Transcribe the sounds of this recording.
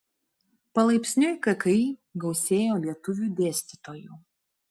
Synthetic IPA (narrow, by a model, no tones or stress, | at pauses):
pɐlˠɐɪpʲsʲnʲʊɪkɐkɐɪɡɒʊsʲeːjoːlʲiɛt̪ʊʋʲuːd̪ʲeːsʲt̪ʲɪt̪oːjuːˑ